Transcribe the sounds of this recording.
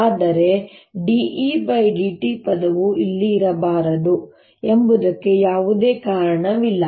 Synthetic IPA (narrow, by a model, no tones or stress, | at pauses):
aːd̪ɐɾe̞ɖiʔibɐjɖiʈipɐd̪ɐʋuilːiːɾɐbaːɾɐd̪u | embud̪ɐkːe̞jaːʋud̪e̞ːkaːɾɐɳɐʋilːɐ